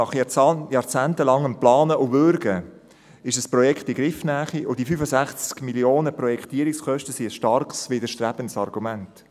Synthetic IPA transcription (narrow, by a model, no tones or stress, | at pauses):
ɑχjjɑːɾt͡sæːntəlɑŋəmplɑːnəʔʊvʏɾɡə | ɪʃəsprɔjɛkχtiɡɾɪfnæːχiʔʊd̥ifyfəsæχt͡skmiljoːnəprɔjɛkʰtiːəɾɪkskœʃtəsiəsʃtɑrksʋɪdəʃtɾæb̥ənsɑrɡumænt